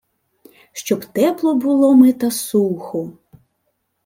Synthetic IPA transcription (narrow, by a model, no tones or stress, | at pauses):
ʃt͡ʃɔbt̪ɛplˠɔbʊlˠɔmɪt̪ɐsuxɔ